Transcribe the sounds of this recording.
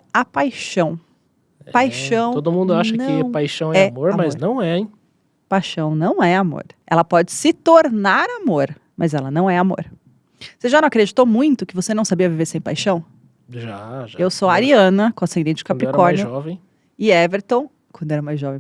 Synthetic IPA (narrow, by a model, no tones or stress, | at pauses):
apajʃɐ̃w̃ | ɛpajʃɐ̃w̃t̪od̪ʊmũnd̪ʊaʃnɐk̪ɐ̃ɪ̃pajʃɐ̃w̃ɛɛmoɾmɐznɐ̃w̃ɛ | pajʃɐ̃w̃nɐ̃w̃ɛamo̰ɾɛ̰lɐpɔd͡ʒɪsɪt̪oɾnaɾamoɾ | mʔɐzɛlɐnɐ̃w̃ɛamo̰ɾ | seʒanɐ̃w̃akɾed͡ʒit̪omũj̃t̪ʊkɪvosenɐ̃w̃sabiɐviveɾsẽj̃pajʃɐ̃w̃ | ʒaʒaewsoaɾiɐ̃nɐkõasẽnd̪ẽnt͡ʃɪd͡ʒ̥ɪkãd̪pɾiɛɾkɔɾj̪iɔvẽj̃ | ɪɛveɾt̪õw̃ | kwɐ̃d̪ʊɛɾɐmaj̃zʒɔvẽj̃